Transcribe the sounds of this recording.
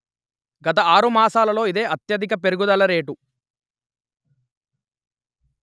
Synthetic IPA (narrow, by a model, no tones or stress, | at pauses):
ɡɐt̪̬ɐaːɾumaːsaːlɐlo̞ːid̪e̞ːʔɐt̪jɐd̪ikɐpe̞ɾuɡud̪ɐlɐɾe̞ːʈu